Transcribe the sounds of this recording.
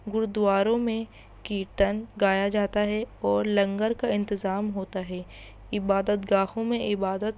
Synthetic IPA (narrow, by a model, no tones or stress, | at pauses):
ɡʊɾʊd̪uaːɾõmẽ | kiʈɐnɡaːjad͡ʒaːt̪aɦɛɔːɾlɐ̃ŋɡəɾkaɪ̃nt̪ɪzaːmɦoːt̪aɦɛː | ɪbaːd̪ət̪ɡaːhõmẽʔɪbaːd̪ət̪